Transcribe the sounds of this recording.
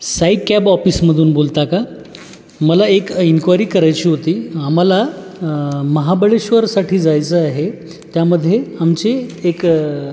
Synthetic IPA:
saiʈkæbɔfiːsməd̪ʱuːnbolt̪aka | məlaekinkʋaɾiːkəɾajt͡ɕiːɦot̪iːam̤ala | məɦabəɭeɕʋəɾsaʈʰiːd͡zajt͡səaɦe | t̪jaməd̪ʱːjeamt͡ɕeːk

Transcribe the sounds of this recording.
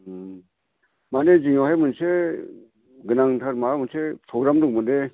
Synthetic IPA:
maneziŋjɔɦajmɯnse | ɡɯnaŋtʰaɾmamɯnsepʰɾɔɡɾamduk̚mɯnde

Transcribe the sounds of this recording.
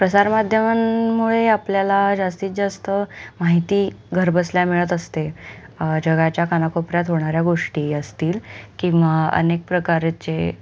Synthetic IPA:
pɾəsaɾmad̪ʱjəmanmuɭeapljalad͡ʑast̪iːt͡sd͡zast̪əmaɦit̪iːɡʱəɾbəsljamiɭət̪əst̪e | d͡ʑəɡat͡ɕjakʰanakopɾjat̪ɦoɳ̃aɾjaɡoʂʈiːəst̪iːlkĩʋaə̰nek̚pɾəkaɾt͡ɕe

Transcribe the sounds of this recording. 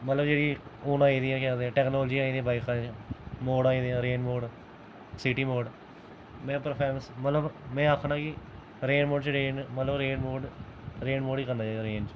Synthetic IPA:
mət̪ləbd͡ʒeːɽiːoːnãːĩːd̪ɪjãːkɛːd̪eãːʈɛːknɔːld͡ʒiːaːĩːd̪ẽːbaːɪkʰaːmoːɖaːĩːd̪ejãːɾeːnmoːɖ | sɪʈiːmoːɖ | mɛ̃ːpəɾpʰɛːməsmət̪ləbmɛ̃ːaːkʰɳãːkɪ | ɾeːnmoːɖt͡ʃɾeːnmət̪ləbɾeːnmoːɖɾeːnmoːɖiːkəɾnaːd͡ʒaːaːɾeːnd͡ʒ

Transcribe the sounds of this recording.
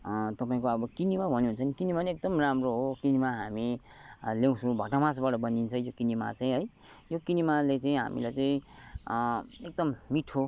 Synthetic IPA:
t̪ʌpaĩkoʌbʌkinimabʱʌnuɦunt͡sʰʌnikinimaniek̚d̪ʌmramroɦokinimaɦami | ljew̃t͡sʰũbʱʌʈamãsbaʈʌbʌnint͡sʰʌjokinima̰t͡saĩɦʌj | jokinimalet͡saĩɦa̰mḭlajt͡saĩ | ek̚d̪ʌmmiʈʰo

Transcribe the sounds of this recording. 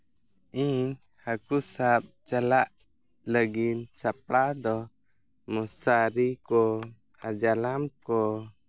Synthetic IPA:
in | hakusap̚t͡ʃalaʔ | ləɡinsap̚lad̪ɔ | mɔsaɾikɔ | ad͡ʒalamkɔ

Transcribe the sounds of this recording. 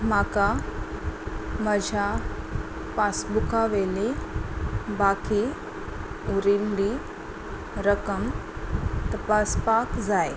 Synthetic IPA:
m̤aka | məd͡ʑʱja | pasbukaʋeli | baki | uɾilːi | ɾəkəm | t̪əpaspakd͡zaj

